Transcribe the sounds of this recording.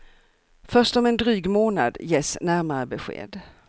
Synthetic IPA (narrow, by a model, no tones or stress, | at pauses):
fœʂt̪ɔmɛnd̪ɾyːɡmoːna̰d̪jeːsnæɾmaɾəbɛɧḛːd̪